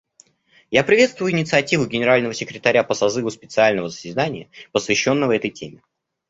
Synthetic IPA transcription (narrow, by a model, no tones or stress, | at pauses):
japɾʲɪvʲe̞t̪st̪vʊjʊɪnʲɪt̪sɨɐtʲivʊɡʲɪnʲɪɾalʲnəvəsʲɪkɾʲɪt̪ɐɾʲapəsɐzɨvʊspʲɪt̪sɨalʲnəvəzəzʲɪd̪anʲɪjəpəsvʲɪɕːo̞nːəvəvɛt̪əjtʲʰemʲɪ